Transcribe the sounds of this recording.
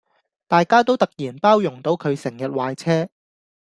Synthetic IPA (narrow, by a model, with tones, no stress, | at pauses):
t̪aː˨jkaː˥t̪̬o˥wt̪ɐ˨k̚jiː˨˩npaː˥wjʊ˨˩ŋt̪o˨˥wkʰɵ˨˧ɥsɪ˨˩ŋjɐ˨t̚waː˨jt͡sʰɛː˥